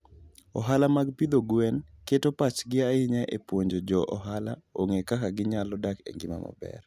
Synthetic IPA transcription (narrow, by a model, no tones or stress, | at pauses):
ɔɦalamaɡpid̪oɡwɛnketopat͡ʃɡɪaɪɲɛʔepwoɲd͡ʒod͡ʒɔʔɔɦalaoŋekakaɡɪɲalɔdakḛŋɡɪma̰mɔ̰bɛ̰r